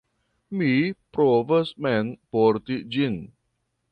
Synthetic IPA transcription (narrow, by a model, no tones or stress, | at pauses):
mipɾovəsmɛnpɔrt̪iʔd͡ʒin